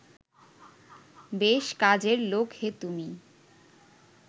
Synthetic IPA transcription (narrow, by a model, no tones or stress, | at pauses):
beʃkad͡ʑeɾlokʰhet̪umi